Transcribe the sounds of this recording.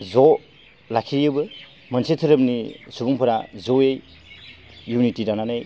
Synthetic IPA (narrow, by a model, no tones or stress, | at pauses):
zɔ | lakʰiɾjɯbɯ | mɐnsetʰɯɾɯpnisuɡuŋpʰɯɾazoej | junitidananej